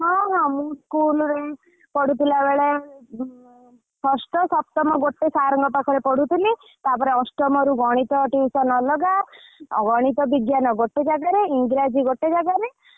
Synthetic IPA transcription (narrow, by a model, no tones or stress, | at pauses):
ɦɔ̃ɦɔ̃mũskulɔɾe | pɔɽut̪ʰilabeɭe | pʰɔsʈɔsɔpt̪ɔmɔɡoʈːesaɾɔŋɡɔpakʰɔɾepɔɽut̪ili | t̪apɔɾeɔ̃sʈɔmɔɾuɡɔɽ̃it̪ɔʈiwsɔnɔlɔɡa̰ɡɔɽ̃it̪ɔbiɡjanɔɡoʈːed͡ʒaɡaɾeiŋɡɾad͡ʒiɡoʈːed͡ʒaɡaɾe